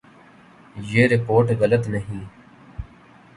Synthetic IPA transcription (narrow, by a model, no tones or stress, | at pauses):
jeːɾɪpoːɾʈɣələt̪nəɦĩː